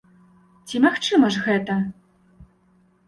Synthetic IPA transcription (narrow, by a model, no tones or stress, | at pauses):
t͡sʲimaxt͡ʂɨmɐʐɣɛt̪ɐ